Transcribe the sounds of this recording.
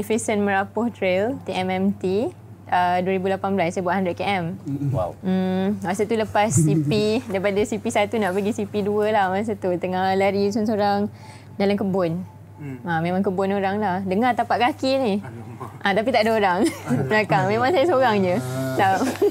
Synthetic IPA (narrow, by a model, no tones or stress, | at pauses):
ifisənməɾapʊht̪ɾelt̪iɛmɛmt̪i | əduəɾibulapanbəlasːajbuaʔ̪handɾət̪̚keɛm̩ | masət̪uləpasːipidaipadasipisat̪unaʔpəɡisipiduəlahmas̬at̪ut̪əŋahlaɾisɔns̬oɾaŋ | dalamkəbʊn | amẽmãŋkəbʊnoɾaŋlahdəŋart̪apaʔkakiniʔãt̪apit̪aʔadaoɾaŋbəɾakaŋmẽmãŋsajasoɾaŋd͡ʒətap̚